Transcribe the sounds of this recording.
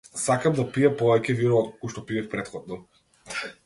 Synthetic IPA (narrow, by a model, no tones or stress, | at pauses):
sakamd̪apijapɔvɛcɛviɾɔːt̪okuʃt̪ɔpiɛfpɾɛt̪xɔd̪̚nɔ